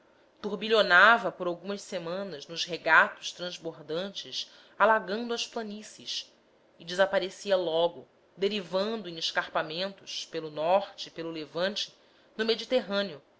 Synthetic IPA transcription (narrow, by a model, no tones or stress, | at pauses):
t̪uɾbiʎonavɐpoɾawɡũmɐssemɐ̃nɐznʊzheɡat̪ʊ̥ʃt̪ɾɐ̃zboɾd̪ɐ̃nt͡ʃɪs | alaɡɐ̃nd̪ʊɐʃplɐnisiʃ | ɪd͡ʒɪzapaɾesiɐlɔɡʊ | d̪eɾivɐ̃nd̪ʊẽeʃkaɾpamẽnt̪ʊʃpelʊnɔχt͡ʃɪpelʊlevɐ̃nt͡ʃɪ̥ | nʊmed͡ʒit̪eɦɐ̃niʊ